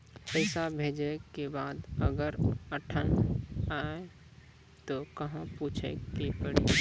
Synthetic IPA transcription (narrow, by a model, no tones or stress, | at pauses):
pəɪsabʱeːd͡ʒekebaːd̪əɡəɾəʈʰənaːe | t̪okɐɦãpuːt͡ʃʰḛkepəɽḭ